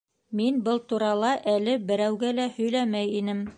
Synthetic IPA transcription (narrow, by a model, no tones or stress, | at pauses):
minbɤlˠt̪uɾɑlˠɑʔælɘbɘ̆ɾæwɡælæhɵ̆jlæmæjinɘm